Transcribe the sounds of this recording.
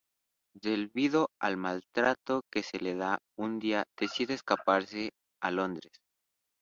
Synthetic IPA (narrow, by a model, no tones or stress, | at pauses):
d̪e̞lβiðo̞a̰lmalt̪ɾat̪o̞ke̞se̞le̞ða | und̪iað̥e̞siðeːskapaɾse̞ | alo̞nd̪ɾe̞s